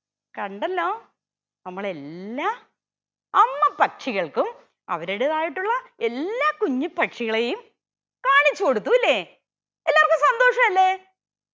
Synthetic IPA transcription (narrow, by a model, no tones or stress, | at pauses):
kɐɳɖɐlːo̞ː | nɐmːɐɭe̞lːaː | ɐmːɐpɐkʂiɣɐɭkum | ɐ̰ʋɐɾiɽeðaːjiʈːuɭːɐe̞lːaːkuɲːipːɐʈʂiɣɐɭejum | kaːɳit͡ɕːukoɽut̪ːuilːeː | elːaːrkɨmsɐnd̪o̞ːʂɐmɐlːe